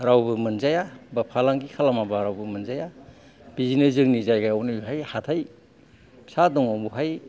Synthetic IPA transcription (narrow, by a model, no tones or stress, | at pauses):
ɾawbɯmɯnzajabapʰalaŋɡikʰalamabaɾawbɯmɯnzaja | b̥izinɯzɯŋnizajɡajawnɯbɦajhatʰaj | sadɔŋaŋbuɦaj